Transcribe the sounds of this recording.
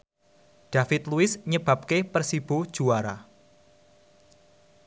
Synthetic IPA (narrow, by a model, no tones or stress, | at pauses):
d̥afɪt̪luɪsɲəb̥a̤p̚kepərsib̥o̥ʒ̥uaɾa̰